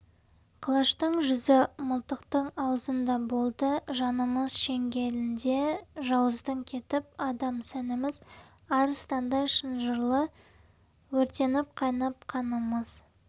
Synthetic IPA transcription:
qʰəlˠɑʃt̪əɴʒʏzɪmʊlˠt̪əqt̪əɴɑwəzənd̪ɑbo̞lˠd̪əʒɑnəməzʃe̞ŋɡʲe̞lɪnd̪e̞ʒɑwəzd̪əŋkʲʰe̞t̪ɪp̚ɑd̪ɑmsænɪmɪz | ɑɾst̪ɑnd̪ɑʃənʒəɾlˠə | wɵɾt̪e̞nɪp̚qʰɑjnɑp̚qʰɑnəməz̥

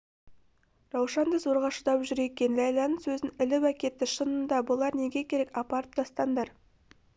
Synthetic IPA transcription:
ɾɑwʃɑnd̪əzo̞ɾʁɑʃəd̪ɑpʒʏɾe̞kʲe̞nlɑjlˠɑnəsɵzɪnɪlɪwækʲe̞t̪ːɪʃənənd̪ɑbʊlˠɑɾne̞ɡʲe̞kʲʰe̞ɾe̞kɑpɑɾəp̚t̪ʰɑst̪ɑnd̪ɑɾ

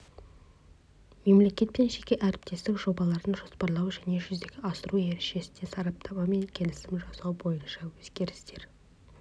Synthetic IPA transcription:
me̞mle̞kʲe̞t̪̚penʃe̞kʲe̞ʔæɾɪp̚t̪ʰe̞st̪ɪkʒ̥o̞bɑlˠɑɾd̪əɴʒo̞spɑɾlˠɑwʒæne̞ʒʏzd̪e̞ɡʲɪɑsəɾue̞ɾeʃe̞sɪ̥nesɑɾɑp̚t̪ʰɑmɑme̞nkʲʰe̞lɪsɪmʒɑsɑwbo̞jənʃɑwɵz̥ɡʲe̞ɾɪst̪e̞ɾ

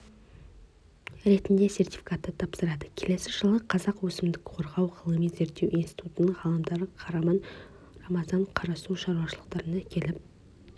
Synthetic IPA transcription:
ɾe̞t̪ɪnd̪e̞se̞rt̪i̥fʲi̥kat̪ːət̪ʰɑpsəɾɑd̪əkʲʰele̞sɪʒəlˠəqʰɑzɑqwɵsɪmd̪ɪkqʰo̞ɾʁɑwʁʰəlˠəmenze̞ɾt̪ːe̞wʔinst̪i̥t̪ut̪ənəɴʁɑlˠəmd̪ɑɾəqʰɑɾɑmɑn | rɑmɑzɑɴqʰɑɾɑsuʃɑɾuwɑʃəlˠəqt̪ɑɾənaækʲʰe̞lɪp̚

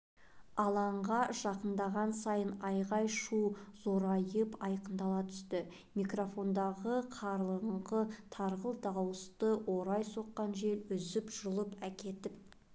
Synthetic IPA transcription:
ɑlˠɑɴʁɑʒɑqənd̪ɑʁɑnsɑjənɑjʁɑjʃuzo̞ɾɑjəpɑjqənd̪ɑlˠɑt̪ʰʏ̥st̪ɪ | mikro̞fo̞nd̪ɑʁəqʰɑɾlˠəɴʁət̪ʰɑɾʁəlˠd̪ɑwəst̪əwo̞ɾɑjso̞qːɑnʒe̞lʏzɪpʒəlˠəpækʲe̞t̪ɪp̚

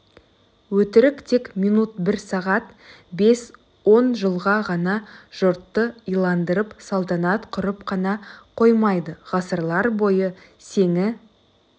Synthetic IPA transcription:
wɵt̪ɪɾɪkt̪ʰe̞kmijnut̪̚bɪɾsɑʁɑt̪ | be̞s | wo̞nʒəlˠʁɑʁɑnɑʒ̥ʊɾt̪ːəijlˠɑnd̪əɾəpsɑlˠt̪ɑnɑt̪qʰʊɾəpqʰɑnɑqʰo̞jmɑjd̪əʁɑsəɾlˠɑɾbo̞jə | se̞ŋɪ

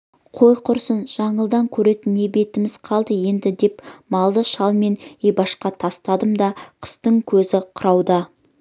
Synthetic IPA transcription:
qʰo̞jqʰʊɾsənʒ̥ɑɴəlˠd̪ɑŋkʲʰɵɾe̞t̪ɪne̞be̞t̪ɪmɪz̥qʰɑlˠd̪əje̞nd̪ɪd̪e̞pmɑlˠd̪əʃɑlˠme̞nejbɑʃqɑt̪ʰɑst̪ɑd̪əmd̪ɑqʰə̥st̪əŋkʲʰɵzɪqʰʊɾɑwd̪ɑ

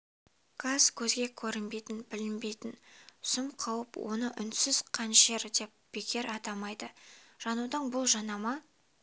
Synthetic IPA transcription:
kʰɑskʲʰɵzɡʲe̞kʲʰɵɾɪnbe̞jt̪ɪnbɪlɪnbe̞jt̪ɪnsʊmqʰɑwəpwo̞̰nəʔʏnsɪz̥qʰɑnʃe̞ɾd̪e̞p̚b̥ekʲʰe̞ɾɑt̪ɑmɑjd̪əʒ̥ɑnud̪ɑɴbʊlˠʒɑnɑmɑ

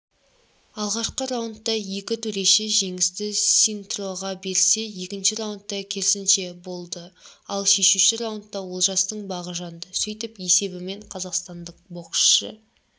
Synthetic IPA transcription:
ɑlˠʁɑʃqəɾawənt̪ːɑje̞kʲɪt̪ʰɵɾe̞ʃeʒe̞ŋɪst̪ɪsint̪ro̞ʁɑbe̞ɾse̞je̞kʲɪnʃɪɾawnt̪ːɑkʲʰe̞ɾsɪnʃe̞bo̞lˠd̪əɑlˠʃe̞ʃuʃɪɾawənt̪ːɑwo̞lˠʒɑst̪əɴbɑʁəʒɑnd̪əsijt̪ɪpje̞se̞bɪme̞ɴqʰɑzɑqst̪ɑnd̪əq̚bo̞qʃʃə

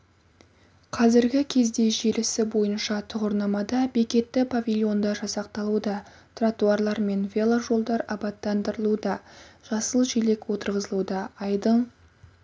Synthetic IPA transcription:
qʰɑzɪɾɡʲɪkʲʰe̞zd̪e̞ʒelɪsɪbo̞jənʃɑt̪ʰʊʁʊɾnɑmɑd̪ɑbe̞kʲe̞t̪ːɪpʰavʲilʲˠjo̞nd̪ɑʒɑsɑqt̪ɑlˠud̪ɑ | t̪ʰrat̪uɑrlˠɑɾme̞nvʲe̞lˠaʒo̞lˠd̪ɑɾɑbɑt̪ːɑnd̪əɾəlˠud̪ɑʒ̥ɑsəlˠʒele̞kwo̞t̪əɾʁəzəlˠud̪ɑɑjd̪əɴ

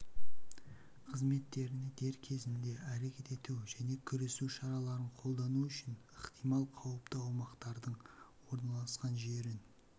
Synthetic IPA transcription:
qʰəzme̞t̪ːe̞ɾɪnɪd̪̥e̞ɾkʲʰe̞zɪnd̪e̞ʔæɾe̞kʲe̞t̪e̞t̪uwʒæne̞kʲʰʏɾe̞suʃɑɾɑlˠɑɾəɴqʰo̞lˠd̪ɑnuʏʃɪnəqt̪ijmɑlˠqʰɑwəpt̪əɑwmɑqt̪ɑɾd̪əɴwo̞ɾnɑlˠɑsqɑnʒe̞ɾɪn

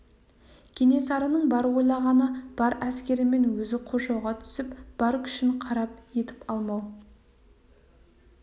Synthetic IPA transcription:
kʲʰene̞sɑɾənəɴbɑɾwo̞jlˠɑʁɑnəb̥ɑɾæskʲe̞ɾɪme̞nwɵzɪqʰoʒɑwʁɑt̪ʰʏ̥sɪpb̥ɑɾkʲʰʏ̥ʃɪɴqʰɑɾɑp̚je̞t̪ɪ̥pɑlˠmɑw

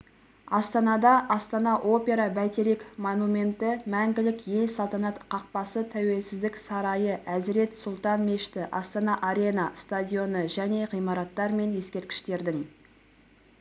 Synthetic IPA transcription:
ɑst̪ɑnɑd̪ɑʔɑst̪ɑnɑʔo̞pʲe̞ɾɑbæt̪eɾekmonumʲe̞nt̪ɪmæŋɡʲɪlɪkje̞lsɑlˠt̪ɑnɑt̪qʰɑq̚pɑsət̪ʰæwe̞lsɪzd̪ɪksɑɾɑjəʔæzɪɾe̞t̪sʊlˠt̪ɑnme̞ʃt̪ɪʔɑst̪ɑnɑʔaɾʲe̞nɑst̪adʲijo̞nəʒæne̞ʁijmɑɾɑt̪ːɑɾme̞nje̞skʲe̞ɾt̪̚kʲɪ̥ʃt̪e̞ɾd̪ɪŋ

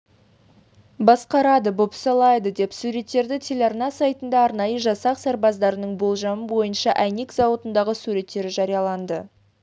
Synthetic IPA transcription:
bɑsqɑɾɑd̪əbopsɑlˠɑjd̪əd̪e̞psuɾe̞t̪ːe̞ɾd̪ɪt̪ʲʰelʲɑrnɑsɑjt̪ənd̪ɑːɾnɑjəʒɑsɑqsɑɾbɑzd̪ɑɾənəɴbo̞lˠʒɑməbo̞jənʃɑʔæjne̞kzɑwot̪ənd̪ɑʁəsuɾe̞t̪ːe̞ɾɪʒɑɾijɑlˠɑnd̪ə

